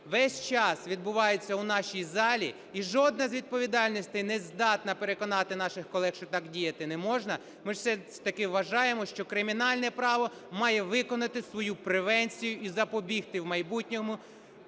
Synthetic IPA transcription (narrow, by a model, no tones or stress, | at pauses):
ʋɛsʲt͡ʃɑsʋʲid̪̚bʊʋɑjet͡sʲːɐunɑʃʲijzɑlʲi | iʒɔd̪̚nɐzʲʋʲid̪̚pɔʋʲid̪ɑlʲnʲisʲt̪ɪjnɛzd̪ɑt̪nɐpeɾekɔnɑt̪ɪnɑʃɪxkɔlˠɛxʃt͡ʃɔt̪ɑkdʲijɐt̪ɪnɛmɔʒnɐ | mɪʃsɛt̪ɐkɪʋːɐʒɑjemɔʃt͡ʃɔkɾɪmʲinɑlʲnɛpɾɑʋɔ | mɑjɛʋɪkɔnɐt̪ɪsʋɔjupɾeʋɛnʲt͡sʲijʊizɐpɔbʲixt̪ɪwmɐjbutʲnʲɔmʊ